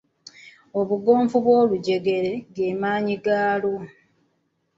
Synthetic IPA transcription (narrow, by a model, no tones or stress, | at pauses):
o̞βuɡo̞ːɱvuβwo̞ːluɟe̞ɡe̞ɾe̞ɡemaːɲiɡaːlo